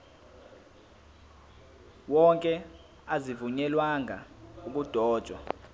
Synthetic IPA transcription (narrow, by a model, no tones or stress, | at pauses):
wɔŋkʼɛ | azivuɲɛlwaŋa̰uk̬ʼud̥ʱɔːd̥ʒ̥ʱwa̰